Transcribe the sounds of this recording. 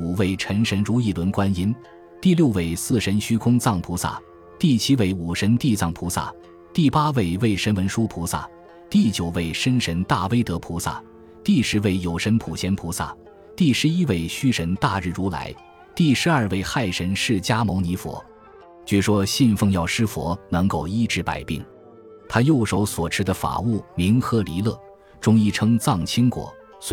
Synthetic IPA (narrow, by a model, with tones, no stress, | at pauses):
u˨˩we˥˩ɪʈ͡ʂʰə˧˥ŋʂə˧˥nɻu˧˥i˥˩lwə˧˥nkwa˥ni˧˥n | t̪i˥˧ljo˥˧ʊwe˥˩ɪsɹ̩˥˩ʂə˧˥nɕy˥kʰʊ˥ŋt͡sɑ˥˩ŋpʰu˧˥sa̰˥˩ | t̪i˥˩t͡ɕʰi˥we˥˩ɪu˨˩ʂə˧˥nt̪i˥˧t͡sɑ˥˩ŋpʰu˧˥sa̰˥˩ | t̪i˥˩pa˥we˥˩ɪwe˥˩ɪʂə˧˥nwə˧˥nʂu˥pʰu˧˥sa̰˥˩ | t̪i˥˩t͡ɕjo˨˩ʊwe˥˩ɪʂə˥nʂə˧˥nt̪a˥˩we˥ɪt̪ɤ˧˥pʰu˧˥sa̰˥˩ | t̪i˥˩ʂɻ̩˧˥we˥˩ɪjo˨˩ʊʂə˧˥npʰu˨˩ɕjɛ˥npʰu˧˥sa̰˥˩ | t̪i˥˩ʂɻ̩˧˥i˥we˥˩ɪɕy˥ʂə˧˥nt̪a˥˧ɻ̩˥˩ɻu˧˥la̰˧˥ɪ | t̪i˥˩ʂɻ̩˧˥ɐ˞˥˧we˥˧ɪxa˥˩ɪʂə˧˥nʂɻ̩˥˩t͡ɕja˥mo˧˥ŋni˧˥fwɔ̰˧˥˦ | t͡ɕɛ˧˥˩ʂwɔ˥ɕi˥˧nfɤ˥˧ŋjɑ˥˩ʊʂɻ̩˥fwɔ̰˧˥nɤ˧˥ŋko˥˩ʊi˥˩ʈ͡ʂɻ̩˧˥pa̰˨˩ɪpḭ˥˩ŋ | t̪ʰa˥jo˥˩ʊʂo˧˥ʊswɔ˨˩ʈ͡ʂʰɻ̩˥d̪ə˧fa̰˨˩u˥˩mi˧˥ŋxɤ˧˥li˧˥lɤ˥˩ | ʈ͡ʂʊ˥ŋi˥˩ʈ͡ʂʰɤ˥ŋt͡sɑ˥˩ŋt͡ɕʰi˥ŋkwɔ̰˨˩˦ | s